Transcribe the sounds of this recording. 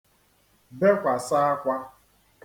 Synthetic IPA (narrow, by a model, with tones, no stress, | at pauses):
be˦kʷa˨sa˦a˦kʷa˦